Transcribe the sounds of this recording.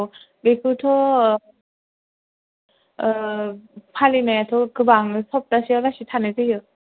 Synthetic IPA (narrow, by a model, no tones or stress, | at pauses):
bekʰɯtʰɔ | pʰalinajatʰɔkɯbaŋɯsɔp̚tasialasitʰanajzɯjɯ